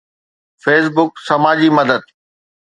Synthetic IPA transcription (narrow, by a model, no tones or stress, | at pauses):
feːs̬bʊksɐmaːd͡ʑimɐd̪əd̪̚